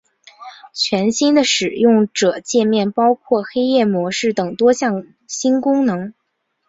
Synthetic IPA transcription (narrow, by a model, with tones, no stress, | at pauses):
t͡ɕʰɥɛ˧˥nɕi˥nd̪ə˨ʂɻ̩˨˩jʊ˥˩ŋʈ͡ʂɤ˨˩t͡ɕjɛ˥˧nmjɛ˥˩npɑ˥ʊkʰwɔ˥˩xe˥ɪjɛ˥˩mwɔ˧˥ʂɻ̩˥˩t̪ɤ˨˩ŋt̪wɔ˥ɕjɑ˥˩ŋ | ɕi˥nkʊ˥ŋnɤ˧˥ŋ